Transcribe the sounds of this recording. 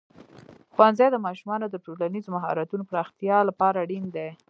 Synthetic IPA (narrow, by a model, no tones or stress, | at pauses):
xwanzajd̪əmɑʃumɑnod̪əʈolanizomaɦɑ̰ɾat̪unopɾɑxt̪ijɑlapɑɾaːɽind̪e